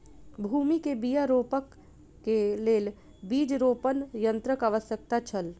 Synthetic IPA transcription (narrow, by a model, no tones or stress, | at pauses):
bʱuːmikebijaɾoːpəkː | eleːl | biːd͡ʒɾoːpənjə̃nt̪ɾəkəʋəsjək̚t̪at͡ʃʰəl